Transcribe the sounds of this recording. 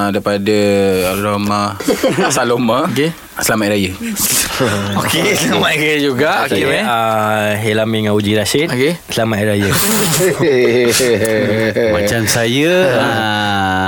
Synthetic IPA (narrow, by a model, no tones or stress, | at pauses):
dajpadəɾomãasalomake | səlamatʔɾajə | okesəlamaʔɾajəd͡ʒuɡaʔkeweaɦelamiŋaud͡ʒiɾaʃitokesəlamaʔɾajə | mat͡ʃamsajəa